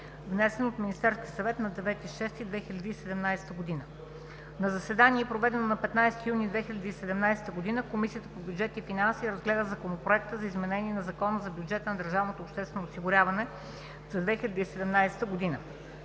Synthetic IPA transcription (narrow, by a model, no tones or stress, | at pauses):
vnɛsɛnot̪minʲist̪ɛɾskʲiəsɐvɛt̪nɐd̪ɛvɛt̪iʃɛst̪id̪vɛxilʲəd̪iːsɛd̪ɛmnajsɛ̥t̪əɡod̪inə | nɐzɐsɛd̪aniɛpɾovɛd̪ɛnonɐpɛt̪najst̪ijunid̪vɛxilʲɐd̪iːsɛd̪ɛmnajsɛ̥t̪əɡod̪inəkomisijət̪əpobʲjud͡ʒɛt̪ifinansiɾɐzɡlɛd̪əzɐkonopɾoɛkt̪əzɐizmɛnɛnʲiɛnɐzɐkɔnəzɐbjud͡ʒɛt̪ənɐd̪əɾʒavnot̪oːpʃt̪ɛst̪vɛnoːsiɡʊɾʲavɐnɛ | zɐd̪vɛxilʲɐd̪iːsɛd̪ɛmnajsɛ̥t̪əɡod̪inə